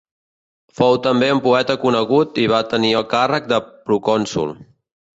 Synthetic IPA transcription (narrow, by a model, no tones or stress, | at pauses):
fowt̪əmbeumpuɛt̪əkunəɣut̪iβ̞at̪əniəlˠkarək̚d̪əpɾukɔnsṵlˠ